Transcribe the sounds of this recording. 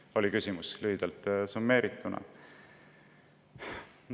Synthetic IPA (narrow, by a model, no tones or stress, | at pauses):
o̞likysʲimuslyɦid̪̥ɑlt̪ˑsumːe̞ːɾit̪ːˑunɑ̰